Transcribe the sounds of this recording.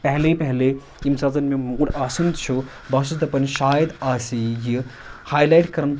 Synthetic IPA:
pɛɦlepɛɦle | imsaːzɐnmẽmoːɽaːsund̪t͡ʃʰu | bɐs̬uzd̪ɐpɐnʃaːjɐd̪aːsiji | haːjlaːjʈkɐɾɐn

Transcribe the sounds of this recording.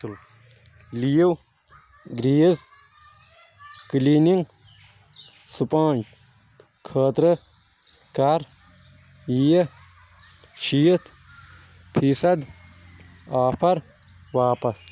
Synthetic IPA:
l | lijiw | ɡɾiːz | kliːniŋɡ | supãːnt͡ʃ | kʰəːt̪ɾɨ | kɐɾ | jijɐ | ʃijət̪ʰ | pʰiːsɐd̪ | aːpʰɐɾ | ʋaːpɐs

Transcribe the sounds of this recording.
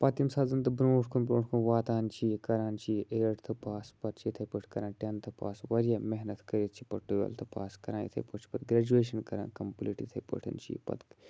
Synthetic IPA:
pɐːt̪imsaːzɐnt̪ɨbɾoːʈʰkʰunbɾõːʈʰkʰunʋaːt̪aːnt͡ʃʰikɐɾaːnt͡ʃʰiʔeɾɐʈt̪ʰɨpaːspɐɾt͡ʃʰit̪ʰɐjpəʈʰʲkɐɾãːnʈʲant̪ʰɨpa̰ːsʋɐɾjaːmeɦnɐt̪kɐɾit̪̚t͡ʃʰi̥pɐʈujɐ̰lt̪ʰɨpa̰ːskɐɾãːjḭt̪ʰɐ̰jpɐt͡ʃʰpɐt̪ɡɾaːd͡ʒueːʃɐnkɐɾã̰ːnkɐmpliːʈit̪ʰɐjpɐ̰ʈʰḭnt͡ʃʰḭːpɐ̰t̪

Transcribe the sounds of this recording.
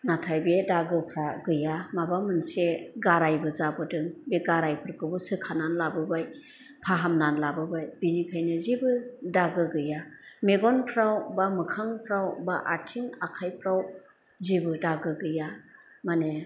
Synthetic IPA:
natʰajbedaɡɯpʰɾaɡɯjamabamɯnseɡaɾajbɯzabɔdɯŋbeɡaɾajpʰɯɾkɯbɯsɯkʰananlabɯbaj | pʰaɦamnanlabɯbajbinikʰajnɯzibɯdaɡɯɡɯjameɡɔnpʰɾawbamɯkʰaŋpʰɾawbaʔatʰiŋakʰajpʰɾaw | zibɯdaɡɯɡɯja | mane

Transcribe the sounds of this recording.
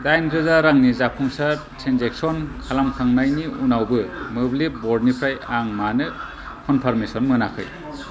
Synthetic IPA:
dajndɾɯzaɾaŋnizapʰuŋsatʰenzek̚sɔnkʰalamkʰaŋnajniunawbɯmɯblibɔɾdnipʰɾajaŋmanɯ | kʰɔnpʰaɾmesɔnmɯnakʰɯ̰j

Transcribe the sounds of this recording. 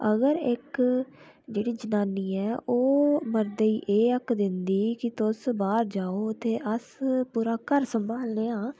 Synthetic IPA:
əɡəɾɪk | d͡ʒeːɽiːd͡ʒənaːniːɛːʔoːməɾd̪əiːʔeːəkd̪ɪnd̪iːkɪt̪ʊsbaːɾd͡ʒaːoːt̪eːʔəspuːɾaːkəɾsəmbʱaːlneːãː

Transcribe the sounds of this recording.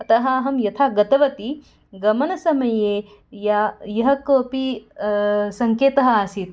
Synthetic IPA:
ɐt̪ɐɦaːɦɐmjɐt̪ʰaːɡɐt̪ɐʋɐt̪i | ɡɐmɐnɐsɐmɐjeː | jajɐɦɐkoːpi | sɐŋkeːt̪ɐɦɐaːsit̪

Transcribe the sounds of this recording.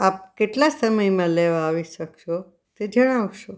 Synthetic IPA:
ap̚keʈlasəməjmãleʋaːʋiʃəkʃo | t̪ed͡ʒəɽ̃aʋʃo

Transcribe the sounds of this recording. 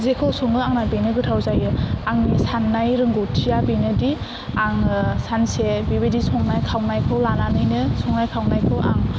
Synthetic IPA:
zekʰɯwsɔŋɯaŋnabenɯɡɯtʰawzajɯaŋnisanːajɾɯŋɡotʰijabenɯdi | aŋsansebibedisɔŋnajkʰawnajkʰɯwlananɯjnɯsɔŋnajkʰawnajkʰɯwʔa̰ŋ

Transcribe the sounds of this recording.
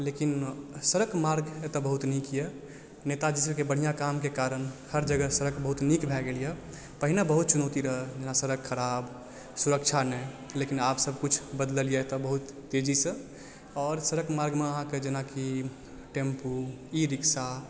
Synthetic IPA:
lekinsəɾəkmaɾɡet̪ɔbəɦut̪nikje | net̪ad͡ʒisəbkebəɽ̤ijakamkekaɾənhəɾd͡ʒəɡəsəɾəkbəɦut̪nikbʱɛɡelijɛ | pəɦinabəɦut̪̚t͡ʃunɔt̪iɾəɦəd͡ʒenasəɾəkkʰːəɾab | suɾək̚t͡ʃʰanɛ | lekinapsəbʱkut͡ʃʰbəd̪ləlijet̪ɔbəɦut̪ːed͡ʒisə̃ | ɔːɾsəɾəkmaɾɡmeəɦãked͡ʒenaki | ʈempu | iɾiksa

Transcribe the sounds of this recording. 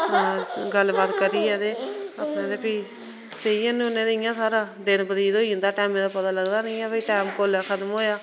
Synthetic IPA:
ɡəlːbaːt̪kəɾiːɛːd̪eːəpnẽːd̪eːpiː | seiːənũnẽːd̪eɪ̃ːjãːsaːɾaːd̪ɪnbəd̪iːd̪oːiːnd̪aːʈɛːmẽːd̪aːpət̪aːləɡd̪aːnɪ̃ːɛːbəiːʈaːmkoːlaːkʰət̪əmoːjaː

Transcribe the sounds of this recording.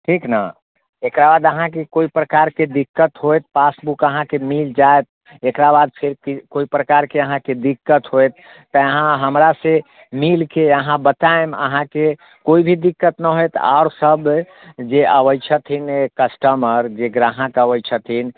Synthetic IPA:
ʈʰikna̰ | ekɾabad̪əɦãkekoipɾəkaɾked̪ikːət̪ɦojt̪̚pasbukəɦãkemild͡ʒaet̪̚ | ekɾabad̪̚pʰeɾkikoipɾəkaɾkeəɦãked̪ikːət̪ɦojt̪ː | əəɦãɦəmɾase | milkeəɦãbət̪aemə̰ɦãke | koibʱid̪ikːət̪nəɦojt̪a̰ʊɾsəb | d͡ʒeəbəjt͡ʃʰət̪ʰinekəsʈəməɾd͡ʒeɡɾaɦə̃k̪əbət͡ʃʰət̪ʰin

